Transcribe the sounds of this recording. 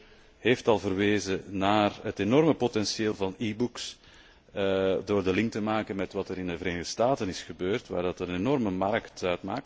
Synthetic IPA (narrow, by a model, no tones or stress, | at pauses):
ɦeːftɑlˠvərʋeːzənaːrɦətenɔrməpotɛnsjeːlˠvɑnibuks | doːrdəlɪŋk̚təmaːkənmɛtʋɑtəɾɪndəvəɾeːnɪɣdəstaːtənɪsxəbøːrtʋa̰ːrdɑtənənenɔrməmɑrktœɥtma̰ːk̚